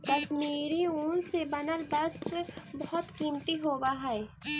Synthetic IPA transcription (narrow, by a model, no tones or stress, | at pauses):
k̪ɐsmiːɾiũːnsebɐnəlbəst̪ɾbɔɦɔt̪kiːmt̪iɦoːbaɦae